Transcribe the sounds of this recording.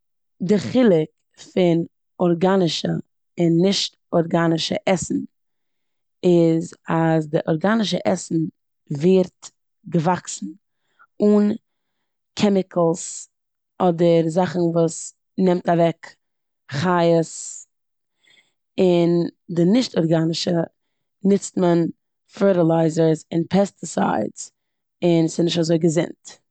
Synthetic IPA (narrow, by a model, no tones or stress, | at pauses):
dɪχɪlˠɪk | fɪn | ɔɾɡanɪʃə̰ | ɪnːɪʃt | ɔɾɡanɪʃə̰ʔɛsn̩ | ɪzazdɪʔɔɾɡanɪʃəʔɛsn̩ | veɾt | ɡəvaksn̩ | un | kʰɛmɪkʰl̩ˠs | ɔdəɾzaχn̩vuːs | nɛmtavɛk | χajəs | ɪndɪnɪʃtɔɾɡanɪʃə | nɪt͡stmən | fɜɹɾɪlˠaɪzəɾzɪnpʰɛstɪsa̰ɪdz̥ | ɪnsɪnɪʃtazoɪɡəzɪ̰nt